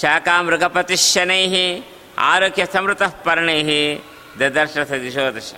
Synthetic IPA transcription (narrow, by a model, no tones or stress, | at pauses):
ʃaːkaːmɾuɡʱɐpɐt̪iʃjɐneːɦi | a̰ːɾoːkʰjɐsɐmɾut̪ɐhpɐɾɐɳeːɦi | d̪ɐd̪ɐɾʃɾɐt̪ʰɐd̪iʃoːd̪ɐʃɐ̰